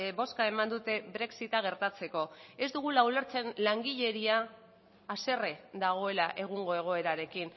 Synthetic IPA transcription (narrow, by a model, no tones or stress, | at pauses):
bo̞skae̞mand̪ut̪e̞βɾe̞ksit̪aɣ̞e̞ɾt̪at͡se̞ko̞e̞zd̪uɣ̞ulaule̞ɾt͡se̞nlaŋɡiʎe̞ɾiaː | se̞red̪aɣ̞o̞e̞laʔe̞ɣ̞uŋɡo̞e̞ɣ̞o̞e̞ɾaɾe̞kin